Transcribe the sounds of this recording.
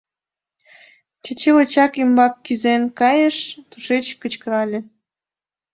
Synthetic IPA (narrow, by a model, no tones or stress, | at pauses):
t͡ɕet͡ɕeot͡ɕɑkimbɑkːyzenkɑjəʃt̪uʃet͡ɕkət͡ɕkəɾɑlʲĕ